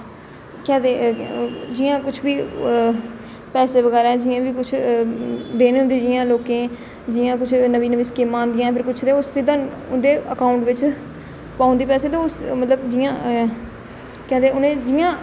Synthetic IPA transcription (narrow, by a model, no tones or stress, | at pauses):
kɛːd̪eː | d͡ʒɪjãːkʊt͡ʃʰbiː | pɛːseːʋəɡɛːɾaːɛd͡ʒɪjãːʋiːkʊt͡ʃʰ | d̪eːneːɦʊnd̪eːd͡ʒɪjãːloːkẽː | d͡ʒɪjãːk̬ʊt͡ʃʰnəʋiːnəʋĩːskiːmãːnd̪ɪjãːpʰɪɾkʊt͡ʃʰt̪eʊsːɪd̪ãːʊnd̪eːəkaːʊɳʈʋɪt͡ʃ | paːʊ̃nd̪iːpɛːseːt̪ẽsmət̪ləbd͡ʒɪjãː | kɛːd̪eːʊnẽːd͡ʒɪjãː